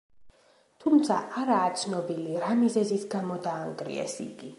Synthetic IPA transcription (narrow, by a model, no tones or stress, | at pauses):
t̪ʰumt̪sʰa̰aɾaːt̪sʰnɔbiliɾamizɛzisɡamɔd̪aːŋɡɾḭɛ̰sḭɡi